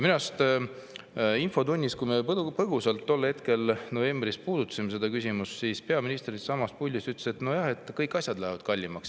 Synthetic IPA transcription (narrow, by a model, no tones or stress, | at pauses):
minɑst̪ | info̞t̪unʲːiskujmeppɤɡ̥usɑlt̪ːo̞lːhe̞t̪ke̞lno̞ve̞mbrispuːd̪ut̪ːˑɑ̥simese̞d̪ɑkysʲimussiːspe̞ɑminist̪rid̪̥sɑmɑspulʲːist̪yt̪lːeset̪nojɑhe̞t̪ːˑkɤjkːˑɑsʲjɑd̪læhevɑd̪̥kɑlʲːimɑks